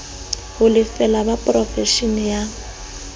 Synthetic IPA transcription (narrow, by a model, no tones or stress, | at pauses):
hʊlɪfɛlabapʼrɔfɛʃinja